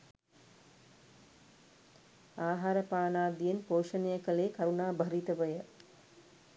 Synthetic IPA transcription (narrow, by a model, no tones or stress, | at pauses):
aːɦaɾəpaːnaːd̪ijenpoːʃənejəkəleːkaɾunaːbʱɐɾit̪əʋəjə